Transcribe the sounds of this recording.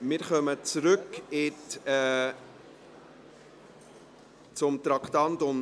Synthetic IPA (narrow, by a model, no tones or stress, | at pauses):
mɪɾχœmət͡sɾʏkɪtɛ | t͡sʊmt̪ɾɑkt̪ɑntʊm